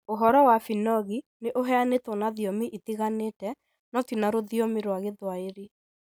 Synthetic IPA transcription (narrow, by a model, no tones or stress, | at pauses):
oɦɔɾɔwafinɔɣineʔoɦɛanetɔnaðiɔmiʔitiɣaneːtɛ | nɔtinaɾoðiɔmiɾwaɣeðwaeɾi